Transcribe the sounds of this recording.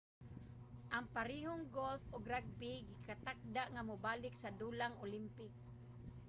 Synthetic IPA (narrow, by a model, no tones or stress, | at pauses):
ʔaŋpaɾiɦoŋɡolfoɡɾaɡ̚biɡɪkat̪ak̚d̪aʔŋamʊbaːlɪksad̪ulaŋʊlimpɪk̚